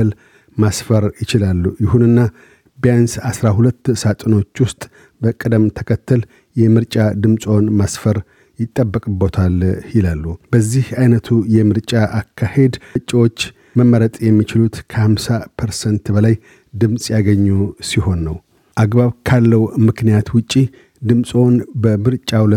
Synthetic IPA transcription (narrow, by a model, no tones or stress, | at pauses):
əl | masfəɾjɪt͡ʃɪlalːujɪhunɨnːa | bjansasɾahulət̪ːsat̪ʼno̞t͡ʃːwʊst̪ʼ | bəkʼɨd̪əmt̪ʰəkʰət̪ʰːəl | jɛmɨɾt͡ʃʼad̪ɨmsʼo̞nmasfəɾ | jɪt̪ʼːəbːəkʼɨbot̪ʰaljɪlalːubəzːihajnət̪ʰujɛmɨɾt͡ʃʼaʔakʰːahe̞d̪t͡ʃʼiwo̞t͡ʃː | məmːəɾət̪ʼjɛmːit͡ʃɪlut̪kʰəhamsapʰəɾsənt̪bəlaj | d̪ɨmsʼjaɡəɲːusiho̞nːəw | ʔaɡbaβkʰalːəwmɨknijat̪wʊt͡ʃʼːi | d̪ɨmsʼo̞nbəmɨɾt͡ʃʼawlə